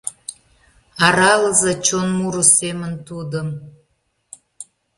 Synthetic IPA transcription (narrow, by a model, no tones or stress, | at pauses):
ɑɾɑləzet͡ɕonmuɾəsemə̆nt̪ud̪ə̆m